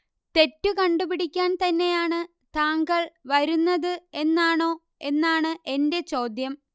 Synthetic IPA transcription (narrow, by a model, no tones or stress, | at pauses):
t̪e̞tːɨkɐɳɖupiɽikʲːaːnt̪ɐnːe̞jaːɳɨ | t̪aːŋɡɐɭʋɐɾunːɐðɨe̞nːaːɳo̞ː | e̞nːaːɳɨʔe̞nde̞t͡ɕo̞ːd̪jɐm